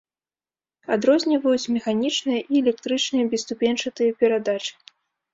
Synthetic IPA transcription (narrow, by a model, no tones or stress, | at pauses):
ad̪ɾɔzʲnʲivɐjut͡sʲmʲɛxanʲit͡ʂnɨjɐʔiɛlʲɛk̚t̪ɾɨt͡ʂnɨjɐbʲist̪upʲɛnt͡ʂɐt̪ɨjɐpʲɛɾad̪at͡ʂɨ̥